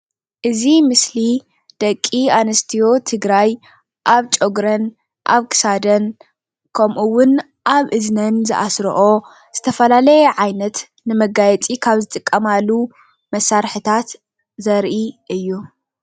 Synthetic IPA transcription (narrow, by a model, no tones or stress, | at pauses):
ʔɨzimɨsli | d̪̥ɐkʼːianɐst̪ʰijo̞t̪ʰɨɡɾaj | ʔaβt͡ʃʼoɡɾɐn | ʔaβkʰɨ̥sad̪ɐn | kʰɐmʔuwʊn | ʔaβʔɨznɐnzɨ̰ʔasɾɐʔo̞ | z̥ɨt̪ʰɐfɐlalɐjɛʕajnɐt̪ | nɨmɐɡajɛt͡sʼikʰaβzɨt̪ʼɨkʼːɐmalːu | mɐsaɾħɨt̪ʰat̪ | zɐɾʔiʔɨjːu